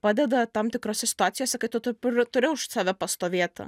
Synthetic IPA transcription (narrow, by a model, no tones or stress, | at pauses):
pɑːd̪ʲɛd̪ɐt̪ɐmt̪ʲɪkɾoːsʲɛsʲɪ̥t̪ʊaːt̪ʲɪjoːsʲɛkɐɪt̪ʊt̪ʊpʊɾt̪ʊɾʲɪʊʃsɑːʋʲɛpɐst̪oːʋʲeːt̪ʲɐ̰